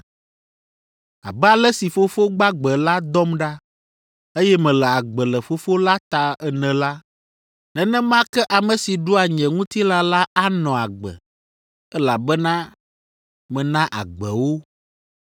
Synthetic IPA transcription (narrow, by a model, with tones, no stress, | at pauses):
a̰˨bɛ˦a˨lɛ˦si˨fo˦fo˦ɡ͡ba˦ɡ͡bɛ˨la˦d̪ɔ˦mɖa˦ | e˦jɛ˦mɛ̃˨lɛ˨a˨ɡ͡bɛ˨lɛ˨fo˦fo˦la˦t̪a˨ɛ˨nɛ̃˨la˦ | nɛ̃˨nɛ̃˦mã˦kɛ˦ʔa˨mɛ̃˨si˨ɖo˦a˨ɲɛ̃˨ŋũ˦t̪i˦la˦la˦a˦nɔ̃˨a˨ɡ͡bɛ̰˨ | ɛ˦la˨bɛ˦nã˦ | mɛ̃˨nã˦ʔa̰˨ɡ͡bɛ˨wo˦